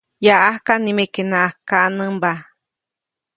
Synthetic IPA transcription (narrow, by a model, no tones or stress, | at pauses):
jaʔahkanimekenãʔahkanɨmba